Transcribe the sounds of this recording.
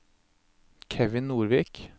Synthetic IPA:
kʰɛʋɪnnuːɾʋiːk

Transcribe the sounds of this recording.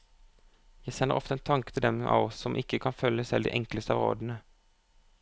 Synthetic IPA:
jæɪsɛnːə̰ʁʔɔft̪əeːnt̪ʰɑŋkə̥t̪ʰɪld̪ɛmɑ̰ːʋɔsːɔmʔɪkːəkʰɑnfœləsɛɪd̪ḭːʔɛŋkləst̪əɑːʁo̰ːd̪nə

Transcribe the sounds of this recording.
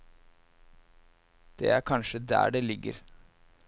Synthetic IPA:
d̪̥ḛːæɾkʰɑnʃəd̪æ̰ːɖeːlɪɡə̰ɾ

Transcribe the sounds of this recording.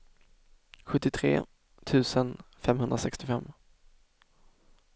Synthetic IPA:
ɧɵt̪ːɪt̪ʰɾḛː | t̪ʰʉ̟ːsənfɛmhɵnd̪ɾasɛkst̪ɪfɛ̰mː

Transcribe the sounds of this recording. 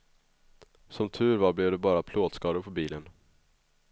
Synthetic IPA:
sɔmt̪ʰʉ̟ːɾvɑːblɛvd̪ɛbɑːɾapʰloːd̪skɑːd̪ʊɾpʰɔbiːlən

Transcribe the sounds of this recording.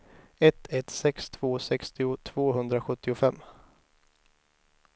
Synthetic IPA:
ɛt̪ʰɛt̪sɛkst̪ʰv̥oːsɛkst̪ɪʊt̪ʰv̥oːɦɵnd̪ɾaɧɵt̪ːɪʊfɛmː

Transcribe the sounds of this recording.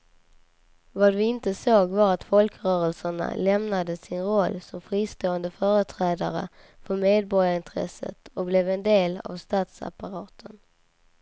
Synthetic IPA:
vad̪ɵɪnt̪əsoːɡvaɾat̪fɔlkɾœːɾəlsəɳa̰lɛmnad̪əsɪnɾɔlːsɔmfɾiːst̪oːənd̪əfœːɾət̪ʰɾɛːd̪aɾə̰ | fœɾmeːd̪̚bɔɾjaɪnt̪ʰɾɛ̰sə̰t̪ɔblɛvɛnd̪eːla̰vst̪ɑːt̪sa̰paɾɑːt̪ʰən

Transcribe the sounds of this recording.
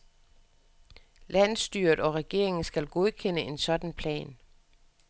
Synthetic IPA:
læn̰sd̥yɐ̰d̥ɒ̽ʁɛɡ̥e̝̰ɐ̰e̝ŋn̩sɡ̥ælɡ̥o̝ð̞ˠkʰen̰əe̝nsɒ̽d̥æn̩pʰlɛ̰ːn

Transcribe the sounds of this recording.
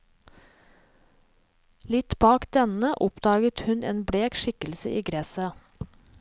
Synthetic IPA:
lɪt̪bɑːkd̪̥ɛnəʔʊpd̪ɑːɡət̪hʉnḛːnbɽeːkʃɪkəlsəʔiːɡɾɛsə

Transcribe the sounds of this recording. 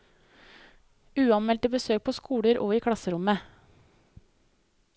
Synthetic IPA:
ʉːɑnmɛlt̪əbəsøːk̚pʰoːskuːɽəɾʔoːiːkʰɽɑsəɾʊmə

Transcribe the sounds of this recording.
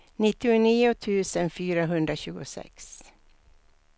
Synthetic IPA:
nɪt̪ːɪʊniːʊt̪ʰʉ̟ːsənfyːɾaɦɵnd̪ɾaɕʉ̟ːɡʊsɛ̰ks

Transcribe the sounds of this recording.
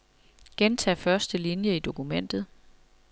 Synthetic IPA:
ɡ̥ent͡sʰɛ̰ːfɶɐsd̥əlinjəid̥o̝kumen̰d̥ð̞̩ˠ

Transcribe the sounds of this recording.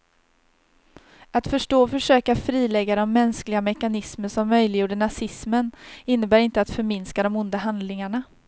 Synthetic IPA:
at̪fœʂʈoːfœʂøːkafɾiːlɛɡːaɾɔmːɛnsklɪɡamɛkanɪsməʂɔmːœjlɪjuːɖəɳasɪsmənɪnːəbæːɾɪnt̪əat̪fœɾmɪnskad̪ɔmʊnd̪aɦand̪lɪŋaɳa

